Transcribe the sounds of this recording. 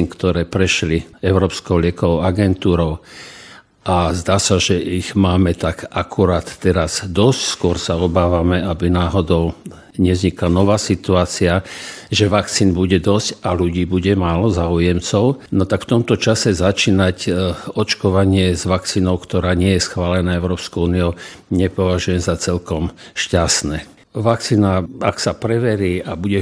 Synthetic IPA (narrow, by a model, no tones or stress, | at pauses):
nkt̪ɔɾɛːpɾɛʃliɛʊɾɔːpskɔʊlɪɛkɔʋɔʊaɡɛnt̪uːɾɔʊ | ʔazd̪aːsaʒɛʔiɣmaːmɛt̪aɡakʰuɾaːt̪ːɛɾazd̪ɔscskʊɔɾsaɔbaːʋamɛabinaːɦɔd̪ɔʊ | ɲɛzɲiklanɔʋaːsit̪uaːt͡siaʒɛʋak̚t͡siːnbuɟɛd̪ɔscaluɟiːbuɟɛmaːlɔzaːujɛmt͡sɔʊnɔt̪akft̪ɔmt̪ɔt͡ʃasɛzat͡ʃiːnacɔt͡ʃkɔʋaɲɪɛzʋakt͡siːnɔʊkt̪ɔɾaːɲɪɛjɛsxʋaːlɛnaːɛʊɾɔːpskɔʊuːniɔʊɲɛpɔʋaʒujɛmzat͡sɛlkɔmʃcasnɛː | ʋakt͡siːnaaksapɾɛʋɛɾiabuɟɛ